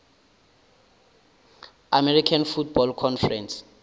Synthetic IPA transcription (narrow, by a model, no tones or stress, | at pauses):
amɛɾikʰanfut̚bɔlkʰɔnfɛrɛns